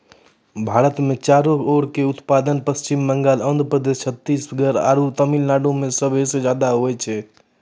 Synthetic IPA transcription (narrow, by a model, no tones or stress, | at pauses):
bʱaːɾət̪mẽt͡ʃaːɾooːɽkeʊt̪paːd̪ənpəst͡ʃimːəŋɡaːlə̃nd̪ʱɾəpɾəd̪est͡ʃʰət̪ːiːsbʰəɡəɾa̰ːɾut̪əmilnaɖõmẽsəbʱesed͡ʒaːd̪aɦoɛt͡ʃʰɛ